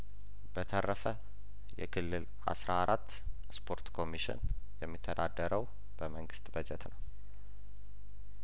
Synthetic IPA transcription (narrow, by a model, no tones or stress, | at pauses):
b̥ət̪ʰərːəfə | jɛ̰kʰɨlːɨl | a̰sɾaaɾat̪ː | spʰo̞ɾt̪kʰo̞miʃɪ̰njɛmːit̪ʰːəd̪ad̪ːəɾəw | b̥əməŋɡɨst̪bəd͡ʒɛt̪nəw